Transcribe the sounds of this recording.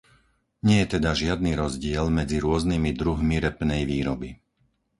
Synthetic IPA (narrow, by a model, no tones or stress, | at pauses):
ɲɪɛjɛt̪ɛd̪aʒɪad̪̚niːɾɔzɟɪɛlmɛd͡ziɾʊɔznimid̪ɾuɦmiɾɛpnɛjʋiːɾɔbi